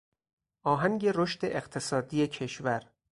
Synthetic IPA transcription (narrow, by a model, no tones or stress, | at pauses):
ʔɒːɦæŋɡe̞ɾoʃt̪e̞ʔeqt̪ʰe̞sɒːd̪iːjecʰe̞ʃvæɾ